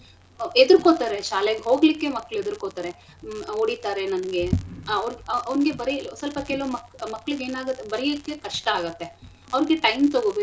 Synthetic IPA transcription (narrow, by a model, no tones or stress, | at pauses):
ed̪ɾkoːt̪aːɾeʃaːleɡɦoːɡlikːe̞mɐkːɐɭued̪ɾkoːt̪aːɾe | oːɽit̪aːɾenɐnɐɡe̞ɐʋɾɡɐɐʋnɡe̞bɐɾisɐlpɐkeːlʋɐmɐkmɐkːɐɭuɡeːnaːɡɐt̪ːebɐɾiikːekɐʂʈɐaːɡɐt̪ːe̞ | ɐʋɐɾɡe̞ʈɐjmt̪oɡobe